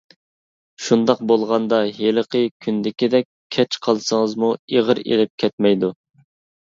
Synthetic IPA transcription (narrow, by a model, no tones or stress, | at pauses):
ʃund̪ɑq̚bolˠʁɑnd̪ɑɦeləqʰəkʲʰynd̪ɪkʲid̪ɛkʲʰɛt͡ʃqʰɑlˠsəŋəzmueʁəɾḛlɪp̚kʲʰɛt̪̚mɛjd̪u